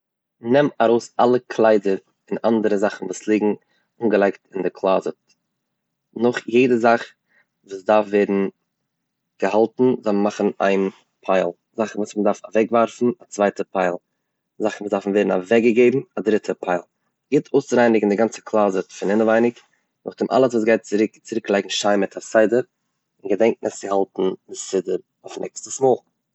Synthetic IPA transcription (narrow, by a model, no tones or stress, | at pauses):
nɛmaɾoʊsalˠəkʰlˠaɪdəɾ | ɪnandəɾəzaχn̩vuːslˠiːɡŋ̩ | uːnɡəlˠaɪktɪndɪkʰlˠaːzət | nʊχjeɪdəzaχ | vuːsdaɾfveːdn̩ | ɡ̥əhalˠtn̩zɔmaχn̩a̰ɪn | pʰaɪlˠ | zaχn̩vuːsmədaɾfavɛkvaɾfn̩at͡svaɪtəpʰaɪlˠ | zaχn̩uːsdafn̩veːdn̩a̰vɛɡəɡeɪbm̩adɾɪtʰəpʰaɪlˠ | ɡɪːtʰoʊst͡sɾaɪnɪɡŋn̩dɪɡant͡sə̥kʰlˠaːzəfɪnɪnəvaɪnɪk | nʊ̰χdɪmʔa̰lˠəsvuːs̬ɡaɪt̚t͡sɪɾɪkt͡sɪɾɪklˠaɪɡŋ̩ʃaɪmɪtʰasaɪdəɾ | ɪnɡədɛŋk̚nʔəsɪhalˠtn̩dɪsɪdəɾ | aʊfnɛ̰kstəsmoːlˠ